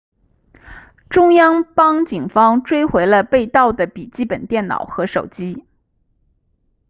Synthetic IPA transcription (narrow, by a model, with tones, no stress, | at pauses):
ʈ͡ʂʊ˥ŋjɑ˥ŋpɑ˥ŋt͡ɕi˨˩ŋfɑ˥ŋʈ͡ʂwe˥ɪxwe˧˥ɪlə˧pe˥˧ɪt̪ɑ˥˩ʊd̪ə˩pi˨˩t͡ɕi˥˩pə˨˩nt̪jɛ˥˩nnɑ̰˨˩ʊxɤ˧˥ʂo˨˩ʊt͡ɕi˥